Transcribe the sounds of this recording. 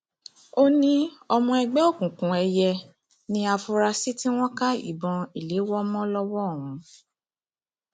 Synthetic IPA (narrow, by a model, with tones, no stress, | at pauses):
o˦nĩ˦ɔ˧mɔ̃˧ɛ˧ɡ͡bɛ˦o˦˨kũ˨kũ˨ɛ˧jɛ˧ | nĩ˧˦a˧fu˧ɾa˧si˦tĩ˦w̃ɔ̃˦ka˦ḭ˨bɔ̃˨i˨le˨˦wɔ˦mɔ̃˦lɔ˦wɔ˦˨wũ˨˦